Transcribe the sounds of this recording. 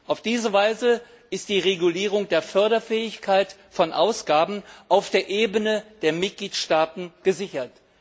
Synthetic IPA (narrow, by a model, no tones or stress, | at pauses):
ʔaʊfd̥iːzəvaɪzə | ʔɪst̚d̥iːʁeɡuliːʁ̞ʊŋdeːɐfœɐdɐfɛːɪçkʰaɪtfɔnʔaʊsɡ̥aːbn̩ʔaʊfd̥eːɐʔeːbənəd̥eːɐmɪt̚ɡ̥liːtʃtaːtn̩ɡ̥əzɪçɐt